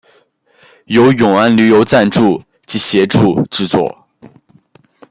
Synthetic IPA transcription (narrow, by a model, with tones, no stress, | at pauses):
jo˧˥ʊjʊ˨˩ŋa˥nly˧˥jo˧˥ʊt͡sa˥˧nʈ͡ʂu˥˩ | t͡ɕi˧˥ɕjɛ˧˥ʈ͡ʂu˥˧ʈ͡ʂɻ̩˥˧t͡swɔ̰˥˩